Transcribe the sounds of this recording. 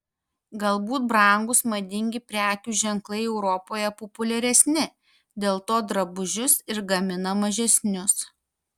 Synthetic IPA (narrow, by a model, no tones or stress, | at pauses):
ɡɐlˠbuːt̪̚bɾɐˑŋɡʊsmɐd̪ʲɪŋʲɡʲɪpʲɾʲæːk̪ʲuːʒʲɛŋklˠɐɪɛʊɾɔpoːjɛpɔpʊlʲɛɾʲɛsʲnʲɪ | d̪ʲeːlˠt̪oːd̪ɾɐbʊʒʲʊsɪɾɡɐmʲɪnɐmɐʒʲɛsʲnʲʊs